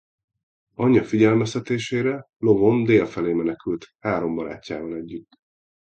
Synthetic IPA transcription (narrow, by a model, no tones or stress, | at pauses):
ɒɲːɒfiɟɛlmɛst̪ɛt̪eːʃeːɾɛ | lo̞vo̞nd̪eːlfɛleːmɛnɛkylt̪haːɾo̞mbɒɾa̰ːcːaːbɒnɛɟːyt̪ː